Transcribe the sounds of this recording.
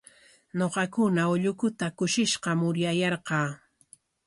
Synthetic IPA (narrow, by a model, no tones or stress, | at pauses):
ɲoqɑkʊnaʊʎʊkʊt̪akʊʃɪʃqɑmʊɾjajɑɾqɑː